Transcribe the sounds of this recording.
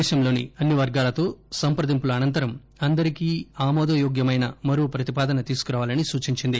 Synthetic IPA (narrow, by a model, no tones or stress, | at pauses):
ɛːʃɐmlo̞ːnḭɐnːiʋɐɾɡaːlɐt̪o̞ːsɐmpɾɐd̪impuluɐnɐnt̪ɐɾɐm | ɐnd̪ɐɾikiːaːmɔːd̪ɐjoːɡjɐmɐjnɐmɐɾuːpɾɐt̪ipaːd̪ɐnɐt̪iːsu̥kuɾaːʋaːlɐnisuːt͡ʃiɲt͡ʃind̪i